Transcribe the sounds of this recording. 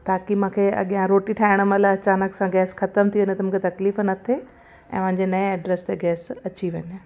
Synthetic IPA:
t̪aːkimũːkʰeɐ̰ɠijãɾoːʈiʈʰaːɪɽ̃əməlaɐt͡ɕaːnəksãɡɛːsxɐt̪əmt̪ʰiʋenet̪ɐmũːkʰet̪ɐkliːfnɐt̪ʰe | ɛ̰̃ːmɐ̃ɦɪ̃ɲd͡ʑenɐẽɛɖɾeːst̪eɡɛːsɐt͡ɕiʋɐɲɪ

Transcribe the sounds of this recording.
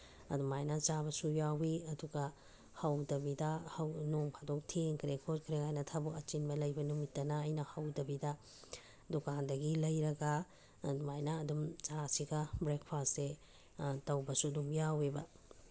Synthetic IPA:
ɐ̰dumajnɐt͡ʃaβɐsujawiɐduɡɐ | hɐwdɐbidɐhɐwnoŋkʰatok̚tʰeŋkʰɾekʰot̚kʰɾekajnɐtʰabukɐt͡ʃinbɐlɐjbɐnumitːɐnɐɐjnɐhɐwdɐbidɐ | dukandɐɡilɐjɾɐɡaː | dumajnɐːdumt͡ʃasiɡɐbɾek̚pʰase | tɐwbɐsuɐdumjawebɐ

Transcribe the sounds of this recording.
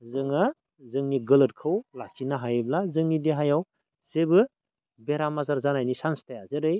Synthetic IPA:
zɯŋa | zɯŋniɡɯlɯt̚kʰɯwlakʰinaɦajblazɯŋnidiɦajaw | z̥ebɯ | beɾamazaɾzanajnisanstajazeɾɯj

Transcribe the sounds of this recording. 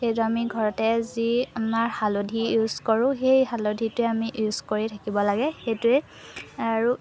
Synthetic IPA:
xejt̬uamiɡʱɔɹɔtɛziamaɹhalodʱijuzkoɹʊ̃xejhalodʱitʊɛamiʔuz̥koɹitʰakibɔlaɡɛxejtʊɛ | aɹu

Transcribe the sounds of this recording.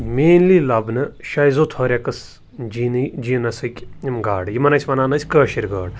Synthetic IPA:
meːnlilɐbnɨʃɐjzot̪ʰɐɾʲɐkɐs | d͡ʒind͡ʒinɐsɨkʲjimɡa̰ːɖjimɐnɐsʰʲʋɐnaːnɐt͡sʰʲkəːʃiɾɡaːɽ

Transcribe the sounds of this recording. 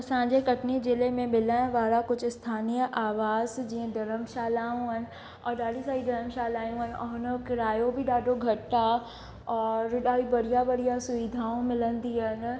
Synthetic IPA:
sãːd͡ʒekɐʈnid͡ʒɪlemẽmɪlə̃ʋaːɾakʊt͡ʃʰst̪ʰaːnijəʔaːʋaːzd͡ʒiɦẽd̪ɐɾəmʃaːlaːũən | ɔːɾɖaːɖisaːid̪ɐɾəmʃaːlaːjõənɔ̰nəkɪɾaːjõbʱiɖaːɖoɡʱɐʈːa | ɔːɾːʊɖaːibɐɽijabɐɽijasʊʋid̪ʱaːõmɪlənd̪iən

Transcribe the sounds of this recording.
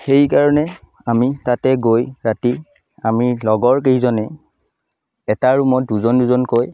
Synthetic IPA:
xejkaɹɔnɛ | amitatɛɡojɹati | amilɔɡɔɹk̬eɦizɔnɛ | ɛtaɹumɔt̚duzɔnduzɔnkoj

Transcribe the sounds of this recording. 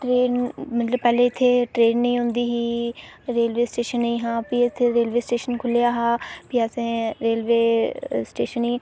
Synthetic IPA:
ʈɾeːnmət̪ləbpɛːleːɪt̪ʰːeːʈɾeːnːəĩːɦʊ̃nd̪iːɦiːɾeːlʋeːsʈeːʃənːəĩːɦãːpiːɪt̪ʰːeːɾeːlʋeːsʈeːʃənkʰʊljaːɦaːpiːəsẽːɾeːlʋeːsʈeːʃəniː

